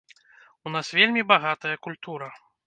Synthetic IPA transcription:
unasvʲelʲmʲibaɣat̪ɐjɐkulʲt̪uɾɐ

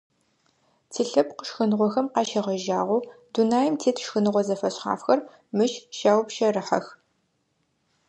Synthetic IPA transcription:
tʰiːɬɐpqə̥ʃxɨnɨʁʷɔxɐmqɑːʃɐʁɐʒaːʁʷʊːdunaːjmtʰeːtʰʃxɨnɨʁʷɔzɐfɐɕχa̰ːfxɐr | mɨʃʃaːwpʃɐrɨħɐ̰x

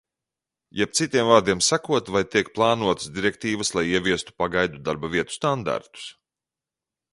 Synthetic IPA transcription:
jɛp̪̚sit̪iɛmvaːɾd̪iɛmsakuɔt̪vajt̪iɛk̚plˠaːnuɔt̪ə̥sd̪ʲiɾɛkt̪iːvəslˠajiɛvʲiɛst̪u̥paɡajd̪ud̪aɾbavʲiɛt̪u̥st̪and̪a̰ɾt̪u̥s

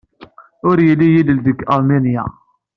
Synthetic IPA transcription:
ʊɾjəlːijilld̪əkːɑɾmenja̰

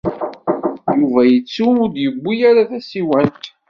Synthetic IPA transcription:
juvæjət͡sːuʊd̪jəbːijaɾaθæsiwænt̪

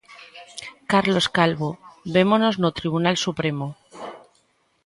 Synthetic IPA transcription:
kaɾlo̞skalβoβe̞mono̞znot̪ɾiβ̞unalsupɾe̞mo

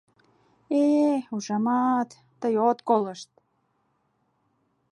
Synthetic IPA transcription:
euʒɑmɑt̪ːəjot̪koləʃt̪̚

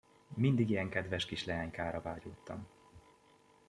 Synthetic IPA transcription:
mind̪iɡijɛŋkɛd̪vɛʃkiʃlɛɦaːɲkaːɾɒvaːɟoːt̪ːɒ̰m

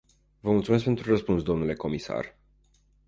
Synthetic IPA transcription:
vəmult̪sumeskpe̞nt̪ɾurəspunsd̪o̞mnule̞ko̞misa̰r

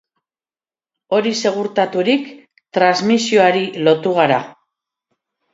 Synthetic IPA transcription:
o̞ɾise̞ɣ̞uɾt̪at̪uɾik | t̪ɾazmisio̞aɾilo̞t̪uɣ̞aɾa

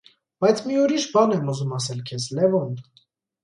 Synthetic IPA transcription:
b̥ɑjt͡sʰmiuɾiʃbɑnɛmuzumɑsɛlkʰɛzlɛvɔn

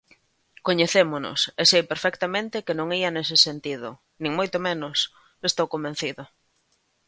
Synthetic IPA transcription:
koɲeθemonʊ̰sesejpeɾfɛkt̪amẽnt̪ɪkɪnõŋiɐnesɪsent̪iðʊ | nĩŋmojt̪omẽnʊs | est̪owkomben̟θiðʊ

